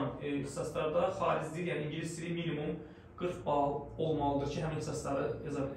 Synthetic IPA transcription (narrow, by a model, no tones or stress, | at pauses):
ni̥sɑslˠɑɾd̪aχɑːɾizd̪ijaːniiɲɟilʲisiiminʲimum | ɡ̥ɯɾkbɑlˠo̞lˠmɑlˠɯd̪ɯɾcʰiɦæminʰisɑslˠɑɾɯjɑzɑbe